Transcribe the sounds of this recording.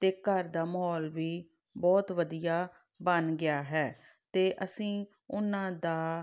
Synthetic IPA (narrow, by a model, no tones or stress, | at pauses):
t̪eːkəɾd̪aːməɦɔːlʋiː | bɔːt̪ʋəd̪ijaː | bənɡɪjaːɦɛː | t̪eːʔəsĩː | ʊnãːd̪aː